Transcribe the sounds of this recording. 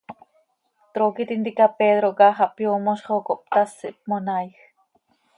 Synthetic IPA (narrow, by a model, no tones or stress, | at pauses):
t̪ɾokit̪int̪ikapeðɾokɑχɑʔpjoːmoʃχokoʔp̚t̪asːḭʔp̚monajx